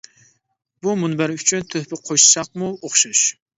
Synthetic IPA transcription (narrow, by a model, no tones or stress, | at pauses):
b̥umʊnbæɾyt͡ʃʰynt̪ʰɵhpɪqʰojʃsɑq̚muoχʃʊʃ